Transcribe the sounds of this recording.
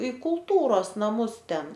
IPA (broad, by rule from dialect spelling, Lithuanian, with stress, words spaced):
ɪ kʊlˠˈtuːroːs nɐˈmʊs ˈtʲɛn